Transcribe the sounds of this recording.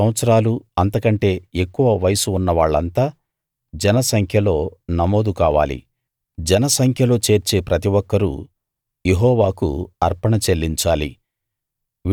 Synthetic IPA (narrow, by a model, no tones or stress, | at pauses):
ɐ̃ɐt̪sɐɾaːluɐnt̪ɐkɐɳʈe̞ːekːuʋɐʋɐjɐsuːnːɐʋaːɭːɐnt̪aː | d͡ʒɛnɐsɐŋkʰjɐlo̞ːnɐmo̞ːd̪ukaːʋa̰ːlḭ | d͡ʒɛnɐsɐŋkʰjɐlo̞ːt͡ʃe̞ːɾt͡ʃe̞ːpɾɐt̪̬iʋɔkːɐɾṵ | je̞ɦɔːʋaːkṵɐɾpɐɳɐt͡ʃe̞lːiɲt͡ʃaːlḭ